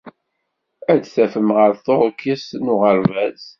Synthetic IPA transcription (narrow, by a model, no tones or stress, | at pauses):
ædθæfəmʁəɾθoɾˤkːisnʊʁəɾvæz